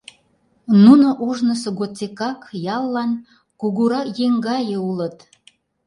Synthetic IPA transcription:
nunoʔuʒnəsoɣot͡sekɑkjɑlːɑn | kuɣuɾɑkjeŋɡɑjeulət̪

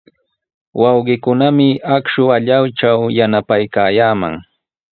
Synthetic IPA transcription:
wɑwɢɪkʊnamɪakʃʊaʎawt͡ʃawjanapajkaːjaːma̰ŋ

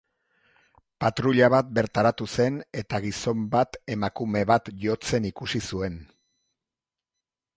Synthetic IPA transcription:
pat̪ɾuʎaβ̞at̪̚be̞ɾt̪aɾat̪use̞ne̞t̪aɣiso̞mbat̪e̞makume̞βat̪jo̞t͡se̞nikusisue̞n

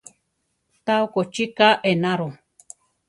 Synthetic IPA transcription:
t̪awkot͡ʃikaʔenaɾo

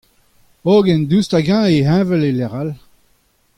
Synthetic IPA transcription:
oɡɛ̃nd̪ystaɡãeɦɛ̃ːvɛlelɛʁal

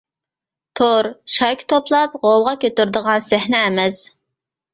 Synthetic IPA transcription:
t̪ʰoɾʃɑjkʲʰt̪ʰoplˠɑp̚ʁowʁɑkʲʰøt̪yɾd̪əʁɑnsɪhnɛːmɛs

